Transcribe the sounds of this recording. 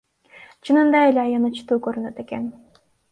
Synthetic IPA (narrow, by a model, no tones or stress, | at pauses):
t͡ʃʰɯnɯnd̪ɑelʲeɑjɑnɯt͡ʃʰɯ̥t̪uːkøɾynøt̪eken